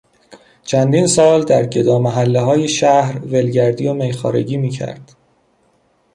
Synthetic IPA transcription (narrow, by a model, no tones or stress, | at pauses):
t͡ʃʰænd̪iːnsɒːld̪æɾɟe̞d̪ɒːmæɦælːeɦɒːje̞ʃæhɾve̞lɟæɾd̪ijomejxɒ̰ːɾe̞̰ɟiːmiːcʰæ̰ɾd̪̥